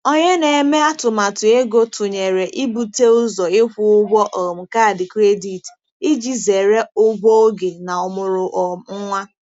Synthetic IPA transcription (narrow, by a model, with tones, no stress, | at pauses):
o˦ɲe˦ne˨e˨me˦a˦tʊ˨ma˨tʊ˨e˦ɡo˦tʰʊ˨ɲe˨ɾe˨ʔi˦bu˨te˦ʊ˦zɔ˨ɪ˦kʷʊ˦ʊ˦ɡʷɔ˦ʔɔ˨m̩˨ka˦˨dɪ˨kɾe˦di˨t | i˦d͡ʒi˦ze˨ɾe˦ʊ˦ɡ͡bʷɔ˦o˦ɡe˨na˨ʊ˨mʊ˨ɾʊ˨ʔɔ˨ŋ̩˦ŋʷa˦